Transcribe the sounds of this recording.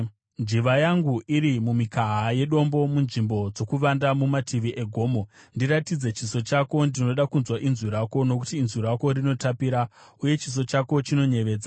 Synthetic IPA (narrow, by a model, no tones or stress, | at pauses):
nd͡ʒiʋajaŋɡuiɾimumikaɦaje̞ɗo̞mbo̞munʐimbo̞d͡zo̞kuʋandamumatʰiʋiʔeɡʱo̞ːmo̞ndiɾatid͡ze̞t͡ʃiso̞t͡ʃako̞ndino̞ɗakunzwaʔinzuɾako̞no̞kutiːnziɾako̞ɾino̞tapiɾauje̞t͡ʃis̬o̞t͡ʃako̞t͡ʃino̞ɲe̞ʋe̞ːd͡za